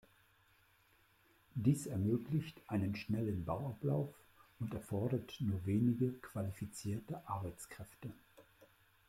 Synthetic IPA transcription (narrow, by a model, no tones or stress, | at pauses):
d̥iːsɛɐmøːklɪçtʔaɪnənʃnɛlənbaʊaplaʊf | ʊntɛɐfɔɐɾɐtnuːɐveːnɪɡəkv̥alifit͡siːɐtəʔaɐbaɪt͡skʁ̥ɛftə